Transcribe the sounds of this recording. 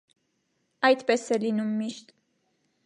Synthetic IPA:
ɑjd̪pɛsɛlinumːiʃt̪

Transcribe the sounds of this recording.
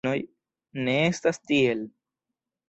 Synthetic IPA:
oj | neːst̪ɐst̪iel

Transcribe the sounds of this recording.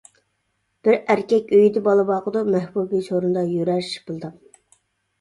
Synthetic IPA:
b̥ɪɾæɾkʲɛkʲøjid̪ɪbɑlˠɨbɑqəd̪umæhbubit͡ʃʰoɾund̪ɑjøɾæɾʃbulˠɨd̪ɨ

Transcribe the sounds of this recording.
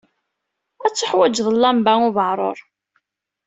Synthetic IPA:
æt͡sːəħwæd͡ʒðˤəlːæmbaŋʊvəʕɾˤo̰ɾˤ

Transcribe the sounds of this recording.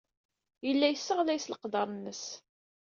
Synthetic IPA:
jəlːæjəsːəʁlæjsləqd̪ɑɾˤnːəs

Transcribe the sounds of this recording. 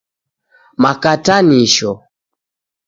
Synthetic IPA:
makataniʃɔ

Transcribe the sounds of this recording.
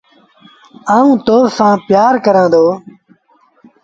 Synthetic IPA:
aːũːt̪oːsãːpjaːɾkəɾãːd̪oː

